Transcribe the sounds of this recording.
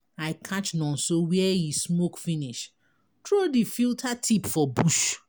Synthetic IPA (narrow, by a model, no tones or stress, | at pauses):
aɪkʰat͡ʃnɔ̃nsowiɛjismokfiniʃ | tɹodifiltʰatʰipfɔbuʃ